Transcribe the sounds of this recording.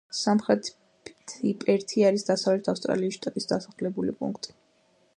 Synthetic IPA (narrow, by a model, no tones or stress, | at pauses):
samχɾɛt̪ʰ | t̪ʰipʼɛɾt̪ʰiaɾisd̪asavlɛt̪ʰafst̪ʼɾa̰liːsʃt̪ʼat̪ʼisd̪asaχlɛbulḭpʼṵŋkʰt̪ʼi̥